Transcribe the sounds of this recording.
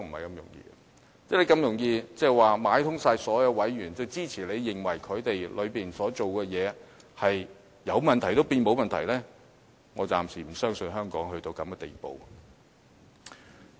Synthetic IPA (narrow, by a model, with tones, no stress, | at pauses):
m̩˨˩hɐ˨jkɐ˧mjʊ̰˨˩ŋjḭː˧ | t͡sɛ˥le˨˧jkɐ˧mjʊ˨˩ŋjiː˧t͡sɛː˧˩waː˨maː˨˥jt̪ʰʊ˥ŋsaː˧jsɔː˨˥jɐ˨˧wwɐ˨˥jɥyː˨˩nt͡sɐ˨˧wt͡siː˥t͡sʰiː˨˩le˨˧jːɪ˨˩ŋwɐ˨˩jkʰɵ˨˧ɥt̪e˨jlɵ˨˧ɥpiː˨nsɔː˨˥t͡so˨wkɛː˧jɛː˨˧hɐ˨j | jɐ˨˧wmɐ˨nt̪ʰɐ˨˩jt̪o˥wpiː˧nmo˨˧wmɐ˨nt̪ʰɐ˨˩jlɛː˥ | ŋɔː˨˧t͡sa̰ː˨msiː˨˩m̩˨˩sœː˥ŋsɵ˧nɦœː˥ŋkɔː˨˥ŋhɵ˧ɥt̪o˧wkɐ˨˥mɡɛ˧t̪ḛ˨˩jpo̰˨w